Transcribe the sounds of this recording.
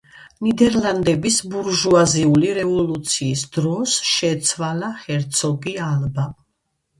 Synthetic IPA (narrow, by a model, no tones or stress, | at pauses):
nid̪ɛɾland̪ɛbisbuɾʒuaziuliɾɛvɔlut̪sʰiːsd̪ɾɔsʃɛt̪sʰvalaχɛɾt̪sʰɔɡialba